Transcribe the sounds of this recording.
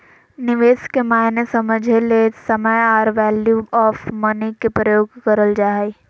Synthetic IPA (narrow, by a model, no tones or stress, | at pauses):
nɪʋeːskemaːɪnesəməd͡ʒʱelesəməjaːɾʋɛːljuɔːfmɐnikepɾəjoːɡkəɾəld͡ʒaːɦi